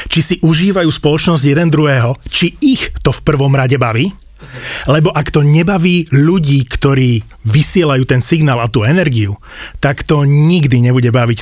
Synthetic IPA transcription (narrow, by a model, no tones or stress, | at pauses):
t͡ʃisiʔuʒiːʋajuːspɔlɔt͡ʃnɔzɟjɛd̪ɛnd̪ɾuɦɛːɦɔt͡ʃiixt̪ɔfpr̩ʋɔmɾaɟɛbaʋiː | lɛbɔʔakt̪ɔɲɛbaʋiːʎuɟiːkt̪ɔɾiː | ʋisɪɛlajuːt̪ɛnsiɡnaːlat̪uːɛnɛɾɡiu | t̪akt̪ɔɲiɡd̪iɲɛbuɟɛbaʋic